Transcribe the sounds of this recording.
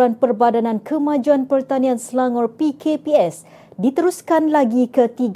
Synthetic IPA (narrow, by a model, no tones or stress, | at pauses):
anpərbadanãnkʰəmãd͡ʒuanpərt̪anĩãnslaŋɔrpikʰepiɛs | dit̪əɾuskanlaɡikət̪iɡ